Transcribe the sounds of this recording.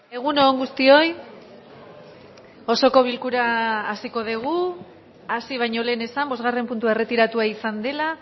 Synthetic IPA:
e̞ɣ̞unoːŋɡust̪io̞j | o̞so̞ko̞β̞ilkuɾaːsiko̞ð̞eɣ̞u | asiβ̞ajɲo̞le̞ːne̞sambo̞zɣare̞mpunt̪ue̞re̞t̪iɾat̪uaisand̪e̞la

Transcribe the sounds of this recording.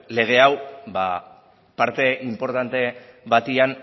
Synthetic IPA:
le̞ɣ̞e̞awba̰ | paɾt̪e̞ʔimpo̞ɾt̪ant̪e̞bat̪ian

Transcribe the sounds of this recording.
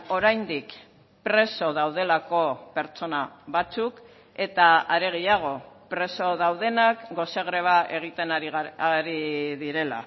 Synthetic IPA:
o̞ɾajnd̪ik | pɾe̞so̞ð̞awð̞e̞lako̞pe̞ɾt͡so̞naβat͡suk | e̞t̪aaɾe̞ɣ̞ejaɣ̞o̞pɾe̞so̞ðawð̞e̞nakɡo̞seɣɾe̞βaʔe̞ɣ̞it̪e̞naɾiaɾiðiɾe̞la̰

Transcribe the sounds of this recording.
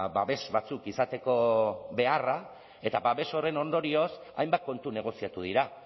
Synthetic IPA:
baβe̞sβat͡sukisat̪e̞ko̞βe̞ara | e̞t̪abaβe̞so̞re̞no̞nd̪o̞ɾio̞s | a̰jmbat̪̚ko̞nt̪une̞ɣ̞o̞siat̪uð̞iɾa

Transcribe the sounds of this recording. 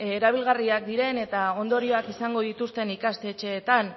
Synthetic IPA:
eɾaβ̞ilɣ̞ariak̚d̪iɾe̞ne̞t̪ao̞nd̪o̞ɾio̞akisaŋɡo̞ðit̪ust̪e̞nikast̪e̞ːt͡ʃe̞ːt̪an

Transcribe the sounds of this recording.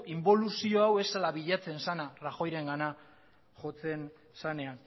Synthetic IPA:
imbo̞lusio̞awe̞salaβiʎat͡se̞nsanaraxo̞jɾe̞ŋɡana | ʝo̞t͡se̞n | sane̞an

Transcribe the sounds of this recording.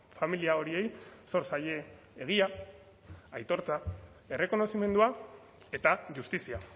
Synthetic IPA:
familiao̞ɾie̞jso̞ɾsaʎe̞ː | ɣ̞ia | ajt̪o̞ɾt͡sa | e̞re̞ko̞no̞sime̞nd̪ua | e̞t̪aʝust̪isia

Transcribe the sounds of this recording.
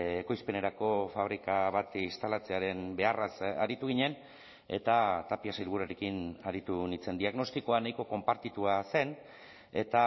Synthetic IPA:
eko̞jspe̞ne̞ɾako̞faβ̞ɾikaβat̪ist̪alat͡seaɾe̞nbe̞arasa̰ɾit̪uɣ̞iɲe̞n | e̞̰t̪at̪apiasailβuɾaɾekinaɾit̪unit͡se̞nd̪iaɣno̞st̪iko̞anajko̞ko̞mpaɾt̪it̪uase̞n | e̞t̪a

